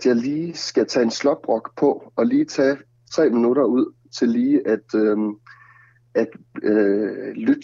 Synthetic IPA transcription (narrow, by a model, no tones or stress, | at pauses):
æd̥jɑ̈ɪliːsɡ̥æt͡sʰɛ̰ːe̝nslɒ̽b̥̚ʁɒ̽ɡ̥pʰɒ̽ɒ̽liːt͡sʰɛ̰ː | t͡sʰʁɛ̰ːminuɾ̥ɐuð̰ˠ | t͡sʰe̝lːiːʔæd̥ø | æd̥ | lyd̥